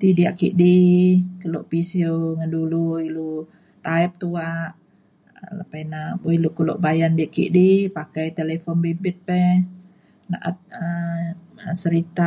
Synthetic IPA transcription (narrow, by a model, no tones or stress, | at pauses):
t̪idiaʔkḭʔdikəlɔʔpisioŋanduluilu | t̪aɛp̚t̪uaʔ | lapajnaboilukəlɔ̰ʔbajandiaʔkḭʔdipakajt̪elefɔnbibɪt̪̚pɛ | na̰ʔat̪̚ə | səɾit̪a